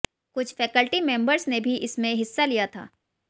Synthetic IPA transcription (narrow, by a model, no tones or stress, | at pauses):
kʊt͡ʃʰfɛːkəlʈimẽːmbəɾsnebʱiʔɪsmẽɦɪsːalijat̪ʰa̰ː